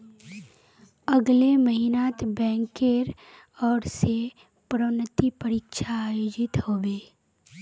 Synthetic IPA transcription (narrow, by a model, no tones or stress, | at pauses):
əɡleməɦinaːt̪bɛ̃ːŋkeɾ | ɔːɾse | pɾənət̪ipəɾiːkʃaːjoːd͡ʒɪt̪hoːbeː